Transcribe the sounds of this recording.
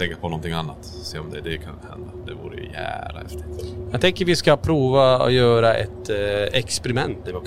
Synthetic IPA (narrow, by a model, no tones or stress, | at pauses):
sɛːkəʈ̚pʰɔnɔnt̪ɪŋanːat̪ | seːɔmd̪ɛd̪ɛkʰa̰nhɛnd̪ad̪̥ɛvuːɾəjɵ̰jæːvla̰hɛft̪ɪ̥t̪jɑɡt̪ʰɛŋkəɾvɪskapʰɾuːvaɔ̰jœːɾaʔɛ̰t̪ɛkspɛɾɪmɛnt̪̚d̪æɾbɑkː